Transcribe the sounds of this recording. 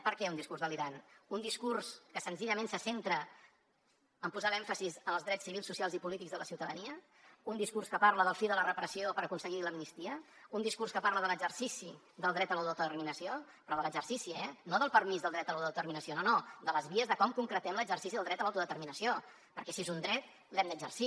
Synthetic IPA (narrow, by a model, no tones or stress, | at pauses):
pəɾkɛund̪iskurzðəliɾanund̪iskurskəsənziʎəmẽnsəsent̪ɾə | əmpuzalɛɱfəsizənəlˠzðɾɛsːiβilˠsːusialˠzipulit̪ikɡzðələsiwt̪əðəniə | und̪iskurskəpaɾləð̞əlˠfiðələrəpɾəsiopəɾəkunsəɣiləmnist̪iə | und̪iskurskəpaɾləðələɡzərsisi | ðəlˠd̪ɾɛt̪əlawt̪ət̪ərminəsio | pɾɔðələzərsisiɛnoðəlˠpərmizðəlˠd̪ɾɛt̪əlawt̪uðət̪əɾminəsiononod̪ələzβiəzðəkɔmkuŋkɾət̪ɛmləɡzərsisiðəlˠd̪ɾɛt̪əlawt̪uðət̪əɾminəsio | pəɾkɛsiezund̪ɾɛt̪̚ | lɛmd̪əɡzə̰rsi